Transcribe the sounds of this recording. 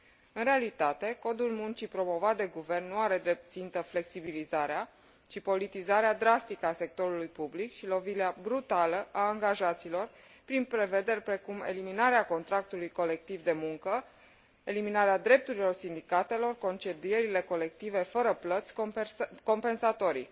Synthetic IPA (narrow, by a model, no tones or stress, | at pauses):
ɨnrɾealit̪at̪e̞ko̞d̪ulmunt͡ʃipɾo̞mo̞vat̪̚d̪e̞ɡuve̞rnːuaɾe̞d̪ɾe̞p̚t̪t̪sint̪əfle̞ksibilizaɾea | t͡ʃipo̞lit̪izaɾead̪ɾast̪ikəase̞k̚t̪o̞ɾulujpublikʃilo̞vileabɾut̪aləʔaːŋɡaʒat̪silo̞r | pɾinpɾe̞ve̞d̪e̞rʲpɾe̞kumḛliminaɾeako̞nt̪ɾak̚t̪ulujko̞le̞k̚t̪ivd̪e̞muŋkə | e̞liminaɾead̪ɾe̞p̚t̪uɾilo̞rsind̪ikat̪e̞lo̞rko̞nt͡ʃe̞d̪ije̞ɾile̞ko̞le̞k̚t̪ive̞fəɾəplət̪sʲko̞mpe̞nsat̪o̞ɾḭ